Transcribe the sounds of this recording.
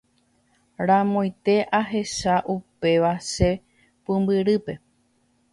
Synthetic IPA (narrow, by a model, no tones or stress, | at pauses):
ɾãmõj̃t̪e̞ʔaɦe̞ʃaʔupe̞ʋaʃe | pɨmbɨɾɨpe̞